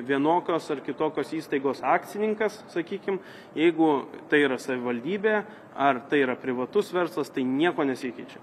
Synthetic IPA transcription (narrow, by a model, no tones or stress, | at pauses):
ʋʲiɛnoːkʲoːsɐrkʲɪt̪oːkʲoːsiːst̪ɐɪɡoːsɑːktt͡s̪ʲsʲɪnʲɪŋkɐssɐkʲiːkʲɪm | jɛɪɡʊt̪ɐɪiːɾɐsɐʋʲɪʋɐlʲd̪ʲiːbʲeː | ɐrt̪ɐɪiːɾɐpʲɾʲɪʋɐt̪ʊsʋʲɛɾslˠɐst̪ɐɪnʲiɛkoːnʲɛsʲɪkʲɛɪt͡ʃʲɛ